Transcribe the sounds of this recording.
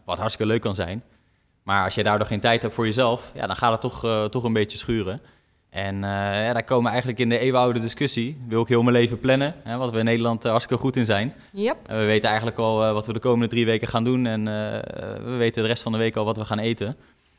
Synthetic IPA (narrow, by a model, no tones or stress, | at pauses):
ʋɑtɦɑɹtstɪ̥kəløɥkːɑnzɛ̰jn | maːɹɑlˠsjədaːɹdʊːχejntɛjtɦɛp̚tfʊːɹjəzɛlˠfja̰ːdɑnχaːdətɔχtɔχənbejtəsχyːrə | ʔɛnəjadaːɹkowməʋəɛjχənləkɪndəejʋəawdədɪskɵsiʋɪlˠɪkɦɪːlˠməlejvəplɛnəɦɛʋɑtʋəɪnːejdəlɑntɑɹstɪ̥kəlˠχutɪnzɛjn | ɛʋəʋejtənɛjχəntləkɑlˠʋɑtʋədəkowməndədriʋejkəχaːndunɛn̰ | ʋəʋejtədərɛstfɑndəʋejkɑlˠʋɑtʋəχaːnejtən